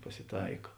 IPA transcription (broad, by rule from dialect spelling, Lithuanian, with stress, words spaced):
pɐsʲɪˈtɐɪkɐ